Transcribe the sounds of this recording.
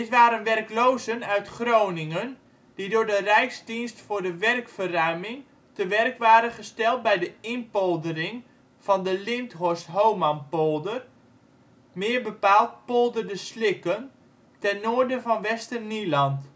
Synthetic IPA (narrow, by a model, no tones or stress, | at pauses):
dɪtʋaːɾənʋɛrklowzənœɥtχrownɪŋən | d̥idʊːɹdərɛjksdinstfʊːrdəʋɛrkfərœɥmɪŋ | təʋɛrkʋaːɾənχəstɛlˠt̚bɛjdəɪnpolˠdərɪŋ | v̥ɑndəlɪntɦosɦowmanpolˠdər | mɪːrbəpaːlˠt̚polˠdərdəslɪkən | tɛnːoːərdənvɑnʋɛstərnilɑnt